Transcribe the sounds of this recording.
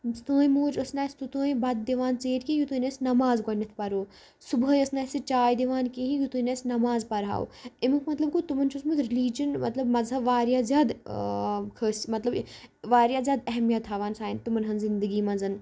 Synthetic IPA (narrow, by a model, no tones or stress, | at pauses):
st̪õːjĩmoːd͡ʒɐsnaːsʲt̪ut̪õːĩbɐd̪̚d̪iʋaːnt͡seːʈkẽjut̪oːnɐːsnɐmaːzɡɐnːɐt̪ʰpɐɾoː | subɦɐjɐsnaːsit͡ʃaːjd̪iʋaːnkĩɦĩjut̪uːnɐsnɐmaːzpɐɾɦa̰ːw̰imɨkmɐt̪lɐb̚kut̪umɐnt͡ʃʰusmut̪ɾiliːd͡ʒɐnmɐ̰t̪lɐbmɐzɦɐʋaːɾjaːzjaːd̪ | kʰəːsmɐt̪lɐb | ʋaːɾjaːzʲjaːd̪ɐɦmijɐt̪ʰaʋaːnsaːint̪umɐnɦɐnzind̪əɡiːmɐzɐn